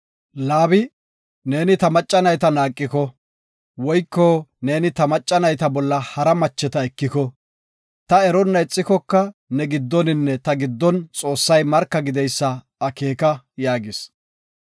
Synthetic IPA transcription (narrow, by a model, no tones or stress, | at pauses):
laːbɪ | ne̞ːnɪt̪ɐmɐt͡ʃʼːɐnɐjt̪ɐnaːkʼːɪkɔ | wɔjkːɔːne̞ːnɪt̪ɐmɐt͡ʃʼːɐnɐjt̪ɐbɔlːɐhɐɾɐmɐt͡ʃːɛt̪ɐɛkːɪkɔ | t̪ɐɛɾɔnːɐɪt͡sʼːɪkɔkːɐnɛɡɪd̪ːɔnɪnːɛt̪ɐɡɪd̪ːɔnt͡sʼo̞ːsːɐjmɐɾkːɐɡɪd̪ɛjsːɐ | ɐke̞ːkɐ | jaːɡɪs